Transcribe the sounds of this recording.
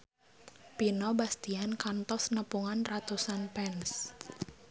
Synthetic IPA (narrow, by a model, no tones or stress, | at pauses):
pinɔbast̪iankant̪ɔsnəpuŋanrat̪usanpɛns